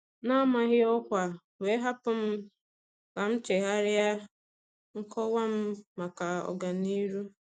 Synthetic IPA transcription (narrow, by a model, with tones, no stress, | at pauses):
na˦ma˨ɣɪ˦ɔ˦kʷa˨ | we˨˦ɦa˦pʊ˦m̩˦ | ka˨m̩˦t͡ʃe˨ɦa˦ɾa˦ | ŋ̩˦kɔ˦wa˦m̩˦ma˨ka˨ɔ̰˨ɡa˨ni˦ɾu˦